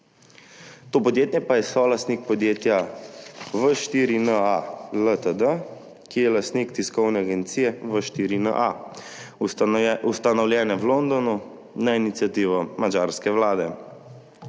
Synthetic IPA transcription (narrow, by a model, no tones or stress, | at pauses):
t̪oːpɔd̪jeːt̪njɛpajɛsɔlast̪nik̚pɔd̪jeːt̪ja | ʋəʃt̪iːɾinəalət̪əd̪ə | kijɛlast̪nikt̪iskɔwnɛaɡɛnt̪siːjɛʋəʃt̪iɾinə̰ʔa | ust̪anɔwljɛːnɛwlond̪ɔnu | nainit̪sijat̪iːʋɔmad͡ʒaɾskɛwlaːd̪ɛ